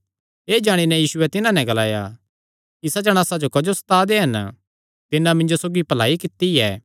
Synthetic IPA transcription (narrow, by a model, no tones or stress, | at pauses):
eːd͡ʒaːɽ̃inɛ̃jiːsʊɛt̪ɪnãnɛ̃ɡɐlaːja̰ | kisɐd͡ʒɐɽ̃aːsad͡ʒokɐd͡ʒosɐ̥t̪aːd̪eɦɐn | t̪ɪnãmɪ̃ɲd͡ʒosoːɡipɐlaːikɪt̪ːiɛː